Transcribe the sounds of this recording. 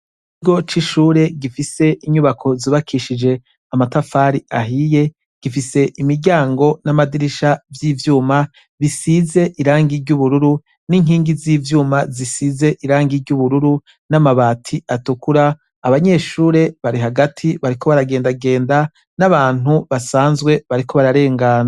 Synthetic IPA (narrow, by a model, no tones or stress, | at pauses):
i | iɡo̞t͡ʃiʃuːɾe̞ɡifise̞ʔiɲuβakʰo̞ziβakʰiʃid͡ʒe̞ | amatafaɾiʔaɦije̞ | ɡ̥ifise̞ʔimiɟaːŋɡo̞namadiɾiʃavjiːvjuːma | βisize̞ʔiɾaːŋɡiɾɟuβuɾuɾu | niŋɦiːŋɡiziːvjuːmazisize̞ʔiɾaːŋɡiɾɟuβuɾuɾu | namaβaːtʰiatukuɾaː | βaɲe̞ːʃuːɾe̞βaɾiɦaɡatʰiβaɾiko̞βaɾaɡe̞ːndaɡe̞ːnda | naβaːn̥uβasaːnzɡwe̞βaɾiko̞βaɾaɾe̞ːŋɡaːna